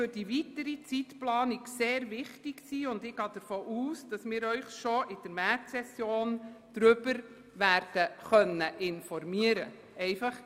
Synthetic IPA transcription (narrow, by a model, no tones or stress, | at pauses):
fʏɾd̥iʋitəɾit͡sitplɑːniɡseːɾʋɪχtɪɡsiːʊndɪɡ̥ɑːd̥əɾfoːʔuːsd̥ɑsmɪːɾœʏχʃoʔɪd̥əɾmærtsɛsjoːnd̪̥ɾʏb̥əɾ | ʋæːɾd̥əχœnːəʔɪnfɔɾmiəɾə̰ | ɛɪfɑχ